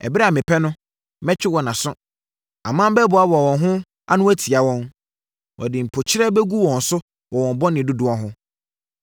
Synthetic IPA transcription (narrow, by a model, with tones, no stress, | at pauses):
ɛ̰˨bɪ˦ɾa˨mɪ̃˨pʰɛ˦nʊ̃˦ | mɛ˦t͡ɕᶣɪ˦wɔ˨nã˨sʊ˦ | ã̰˨mãː˦m˦bɛ˦bʊ˨a˦ba˨wɔ̃˨nɦʊ̃˦ | a̰˦nʊ̃˦æ˦tʰi˨a˨wɔ̃˦n | wʔɔ̰˨dɪ˨m̩˨pʰo˨t͡ɕʰɪ˦ɾɛ˦bɛ˦ɡu˦wɔ̃˨n̩˨sʊ˦ | wɔ˨wɔ̃˨m˨bɔ˦nɪ̃˨du˦dʊ˨ɔ˦ɦʊ̃˦